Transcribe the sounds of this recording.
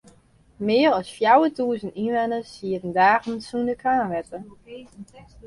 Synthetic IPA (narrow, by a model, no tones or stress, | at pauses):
mɪːəɾɔsfjawətuːəzəninʋɛnəsiətəndaːɣənsundəkʰaːnʋɛtə